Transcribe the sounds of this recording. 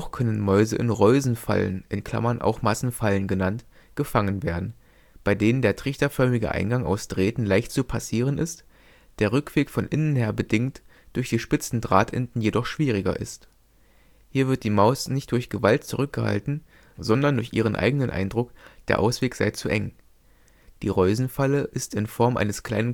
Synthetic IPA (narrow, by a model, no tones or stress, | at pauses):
χkʰœnənmɔʏzəʔɪnʁɔʏzn̩fa̰lə̰nʔɪnkʰl̥a̰mɐnʔa̰ʊxmasn̩falənɡənant | ɡ̥əfaŋənveːɐdn̩ | b̥aɪdeːnəndeːɐtʁ̥ɪçtɐfœɐmɪɡə̰ʔa̰ɪnɡaŋa̰ʊsd̥ʁeːtn̩laɪçtt͡supʰasiːʁ̞ənɪst | d̥eːɐʁʏkv̥eːkfɔnʔɪnənheːɐbədɪŋt | d̥ʊɐçd̥iːʃpɪt͡sn̩dʁaːtʰʔɪ̰ntn̩jedɔχʃv̥iːʁ̞ɪɡɐ̰ʔɪ̰st | hiːɐvɪɐt̚d̥iːmaʊsnɪçt̚d̥ʊɐçɡ̥əvaltt͡suʁʏk̚ɡ̥əha̰ltn̩ | zɔndɐndʊɐçʔiːʁ̞ənʔa̰ɪɡənənʔa̰ɪndʁʊkd̥eːɐʔa̰ʊsv̥eːkz̥a̰ɪt͡suʔɛŋ | d̥iːʁɔʏzn̩faləʔɪstɪnfɔɐmʔa̰ɪnəskʰl̥a̰ɪnən